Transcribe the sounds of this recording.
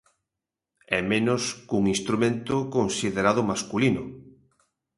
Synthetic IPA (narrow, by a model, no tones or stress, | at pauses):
ɛmẽnʊskuŋinst̪ɾumẽnt̪ʊkonsiðeɾaðʊmaskulinʊ